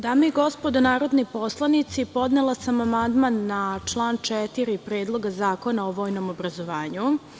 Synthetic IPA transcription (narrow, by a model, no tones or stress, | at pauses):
d̪amojɡo̞spod̪onaːɾo̞d̪nipo̞slˠanit̪sipo̞d̪nelˠasamamand̪manːat͡ʂlˠaːnt͡ʃɛt̪iɾipɾeːd̪lˠo̞ɡazaːko̞naoʋo̞ːjno̞mobɾazoʋaːɲu